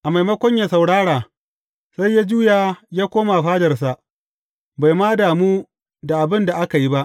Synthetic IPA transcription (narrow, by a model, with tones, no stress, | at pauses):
ʔa˨ma˨jmɐ˦kʷɔ˦ɲja˨sa˨wɽaː˦ɽaː˨ | sa˦jːaː˦d͡ʒuː˦jaː˨jaː˦kʷoː˦ma˨ɸaː˦dɐ˨rsa˨ʔ | ba˨jmaː˦daː˨muː˦ | da˨ʔa˨bɪ˦nda˨ʔa˦ka˨ji˦ba˦ʔ